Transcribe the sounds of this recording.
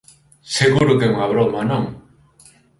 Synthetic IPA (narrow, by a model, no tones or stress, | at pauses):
seɣuɾukemaβɾomanɔŋ